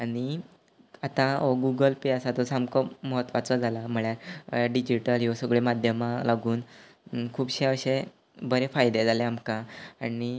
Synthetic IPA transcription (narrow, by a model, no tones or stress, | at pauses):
aɽ̃i | at̪ãoɡuɡəlpiasat̪osamkɔməɦət̪ːʋat͡sɔd͡zʱalam̤əɭjaɾjaɖid͡ʑiʈəljosəɡɭemad̪ʱjəmalaɡuːn | kʰuːbɕeəɕe | bəɾefajd̪ed͡zʱaleamkaani